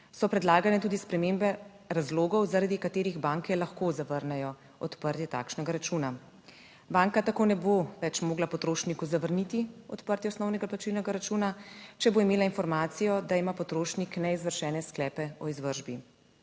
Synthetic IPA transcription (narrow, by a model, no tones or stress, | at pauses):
sɔpɾɛd̪laːɡanɛt̪uːd̪ispɾɛmembɛ | ɾazloːɡɔwzaɾad̪ikat̪eːɾiɣbaːŋkɛlaxkozaʋəɾnɛjɔ | ɔt̪pəɾt̪jɛt̪a̰ːkʃnɛɡaɾat͡ʃuːna | baːŋkat̪akoːnɛboʋɛt͡ʃmoːɡlapɔt̪ɾoːʃnikuzaʋəɾnit̪iɔt̪pəɾt̪jiɔsnɔwnɛɡaplat͡ʃilnɛɡaɾat͡ʃuːnat͡ʃɛboimeːlainfɔɾmaːt̪sijɔd̪aimaːpɔt̪ɾoːʃniknɛizʋəɾʃɛːnɛsklɛːpɛɔizʋəɾʒbi